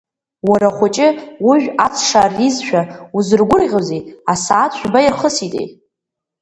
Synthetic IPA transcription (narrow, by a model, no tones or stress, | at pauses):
waɾaχʷʊt͡ʃʼɪwuʒᶣat͡sʰʂarizʃᶣauzɨrɡʷʊrʁʲozeasaːt͡ɕʷᶣbajɪrχəsitʼḛj